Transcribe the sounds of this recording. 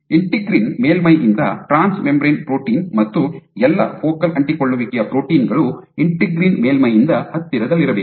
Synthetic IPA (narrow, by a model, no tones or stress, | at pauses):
iɳʈiɡɾiːnmeːlmɐjʔind̪ɐʈɾaːnsmembɾɐjnpɾoːʈiːnmɐt̪ːuɛlːɐ̰foːkɐlɐɳʈikoɭːuʋikɛjɐpɾo̞ːʈiːnɡɐɭu | iɳʈiɡɾiːnmeːlmɐjind̪ɐhɐt̪ːiɾɐd̪ɐlːiɾɐbeːk